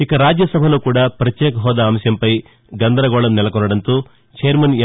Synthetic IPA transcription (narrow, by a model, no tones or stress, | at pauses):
ikɐɾaːd͡ʒjɐsɐbʱɐluːkuːɽaːpɾɐt̪jɛːkɐɦɔːd̪aːmsjɐmpɐj | ɡɐnd̪ɐɾɐɡɔːɭɐmnɛlɐkɔnːɐɽɐnt̪oː | t͡ʃejɐɾmɐn